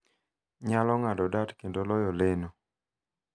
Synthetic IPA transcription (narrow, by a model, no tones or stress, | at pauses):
ɲalɔŋadɔdatkendolɔjɔleno